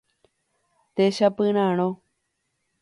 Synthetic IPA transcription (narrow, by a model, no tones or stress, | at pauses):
t̪eʃapɨ̃ɾ̃ãɽ̃õ